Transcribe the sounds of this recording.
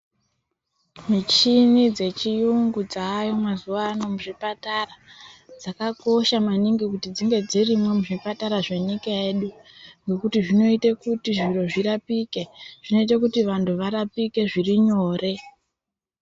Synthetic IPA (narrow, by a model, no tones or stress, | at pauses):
mit͡ʃinid͡ze̞t͡ʃijuŋɡud͡zaːjomwazuʋaːno̞muʐipatarad͡zakako̞ʃamaniŋɡikutid͡ziŋɡe̞d͡zirimwe̞muʐipataɾaʐe̞nikaeɗu | ŋɡe̞kutiʐino̞itekutiʐiro̞ʐiɾapikeʐ̥ino̞it̬akutiʋantʰuʋaɾapike̞ʐiriɲoːre̞